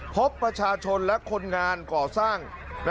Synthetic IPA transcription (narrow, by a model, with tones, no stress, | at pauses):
pʰo˦˥pːɾa˧t͡ɕʰaː˧t͡ɕʰo˧nlɛ˦˥ʔkʰo˧nŋaː˧nkɔː˨˩saː˥˩ŋ | na˧